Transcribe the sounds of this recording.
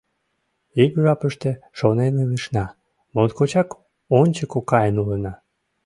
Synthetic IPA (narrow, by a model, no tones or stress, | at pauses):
ikʒɑpəʃt̪eʃoneneliʃnɑ | mont̪kot͡ɕɑk | onʲt͡ɕəkokɑjənulənɑ